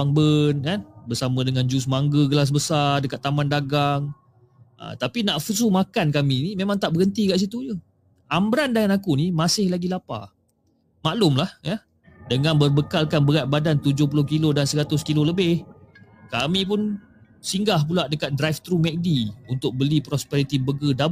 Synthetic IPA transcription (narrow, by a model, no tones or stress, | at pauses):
aŋbənkanbərsamə̃dəŋand͡ʒus̬maŋɡəɡəlas̬bəsardəkat̪ːamandaɡaŋ | ʔə̰t̪apinaʔfus̬umakankaminimemãŋt̪aʔbəɣənt̪ikaʔs̬it̪ud͡ʒu | ʔambəɾandəŋanakunimasɪhlaɡilapa̰ | maʔlʊmlahjə | dəŋãnbərbəkalkanbəɣat̪̚badant̪ud͡ʒʊhpulʊhkilodansəɾat̪ʊskiloləbɪhkamĩp̬ʊn | siŋɡahpulaʔdəkat̪̚dɾajft̪ɾumɛk̚diunt̪ʊk̚bəlipɾɔspɛɾit̪ibəɡəda